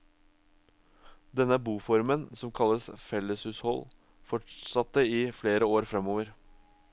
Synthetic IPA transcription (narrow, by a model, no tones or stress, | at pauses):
d̪ɛnəbuːfɔɾmənsɔmkʰɑlːəsfɛləshʉːshɔl | fɔʈsɑt̪ːəiːfleːɾəoːɾfɾɛmoːʋəɾ